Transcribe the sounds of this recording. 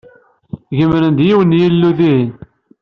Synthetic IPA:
ʝəmɾənd̪jiwənjilːuðin

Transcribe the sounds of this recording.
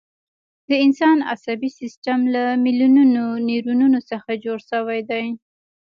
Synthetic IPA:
d̪̥əɪnsɑna̰sabisɪsʈamlamiljununoneɾununosəxad͡ʒoɽʃəwajd̪aj

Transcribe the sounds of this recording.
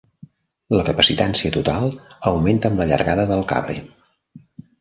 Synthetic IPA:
ləkəpəsit̪ansiət̪ut̪alˠəwment̪əːmləʎə̰ɾɣaðəðəlˠka̰βɾḛ

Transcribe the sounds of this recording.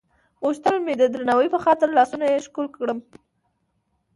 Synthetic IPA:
oʃt̪əlmed̪əd̪ɾanawəjpəxɑt̪ɪɾlɑsunajeʃkulkɽəm

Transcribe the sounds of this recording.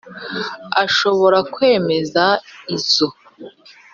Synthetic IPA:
aʃo̞βo̞ɾakwe̞ːme̞zaizo

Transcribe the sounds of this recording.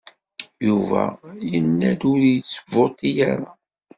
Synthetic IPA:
juvæ̰jənːæd̪uɾjət͡sːə̥vot̪ˤijaɾa

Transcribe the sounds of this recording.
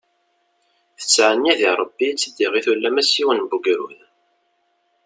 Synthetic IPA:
θə̥t͡sːʕənːiðiɾˤəbːit͡sːəd̪ːiʁiθwəlːæmæsiwənbuɡɾṵð

